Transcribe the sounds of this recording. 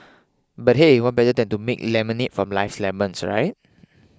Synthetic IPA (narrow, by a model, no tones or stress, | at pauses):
bat̚ɦewɔt̚bɛtədɛ̃ntumek̚lɛmə̃nit̚fɹɔ̃mlaɪfslɛbə̃nsɹa̰ɪt̚